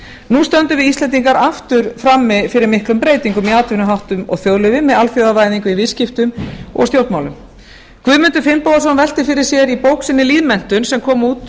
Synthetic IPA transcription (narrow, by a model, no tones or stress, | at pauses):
nust̪œnt̪ʏvɪðist̪lɛnt̪iŋkaɾaft̪ʏɾfɾamːɪfɪɾɪɾmɪhklʏmpɾeːjt̪iŋkʏmiaːt̪ɪhnʏɦawht̪ʏmɔ̰ɣθjowðlʏvɪmɛðalfjowðavaːjðiŋkʏivɪðscɪft̪ʏmɔ̰ɣst̪jowlt̪mawlʏm | kʰvʏðmʏnt̪ʏɾfɪmpowðas̬ɔnvɛl̥t̪ɪfɪɾɪɾ̥sjɛɾipowksɪnːɪliːðmɛn̥t̪ʏnsɛmkʰɔːmuːt̪